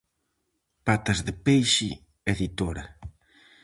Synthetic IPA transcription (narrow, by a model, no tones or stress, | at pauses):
pat̪ɐzðɪpejʃɪ | eðit̪oɾɐ